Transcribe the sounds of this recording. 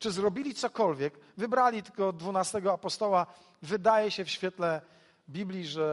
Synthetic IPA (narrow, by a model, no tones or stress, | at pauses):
t͡ʂɘzɾɔbʲilʲit̪sɔkɔlvʲjɛkvɘbɾalʲit̪ɘɡɔd̪vunast̪ɛɡɔapɔst̪ɔwa | vɘd̪ajɛɕɛfɕfʲjɛt̪lɛ | bʲiblʲiʐɛ